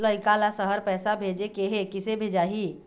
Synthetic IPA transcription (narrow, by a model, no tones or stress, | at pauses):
ləɪkalasəɦəɾpɛːsabʱeːd͡ʒekeɦekɪsebʱeːd͡ʒaːɦi